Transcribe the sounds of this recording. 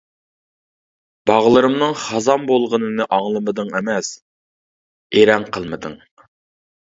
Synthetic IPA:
b̥ɑʁlˠɨɾɨmnɨŋχɑzɑmbolˠʁənɨnɨʔɑŋlˠɨmɨd̪ɨŋemɛs | eɾɛŋqʰəlˠmɨd̪ɨ̰ŋ

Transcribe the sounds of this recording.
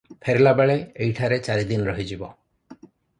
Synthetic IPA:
pʰeɾelabeɭeejʈʰaɾet͡ʃaɾid̪inɔɾɔɦid͡ʒibɔ

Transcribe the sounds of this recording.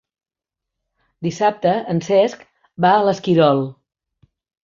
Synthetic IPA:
d̪isap̚t̪əːnsɛsk | baələskiɾɔlˠ

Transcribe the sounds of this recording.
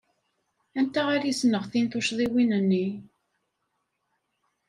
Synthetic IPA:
ænt̪æʁaɾjisnəʁθinθuʃðˤiwinənːi

